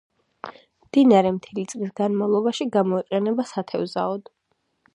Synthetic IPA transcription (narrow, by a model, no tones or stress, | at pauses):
md̪̥inaɾɛmt̪ʰɛlit̪sʼlisɡanmavlˠɔbaʃiɡamɔiqʼɛnɛbasat̪ʰɛvzaɔd̪̥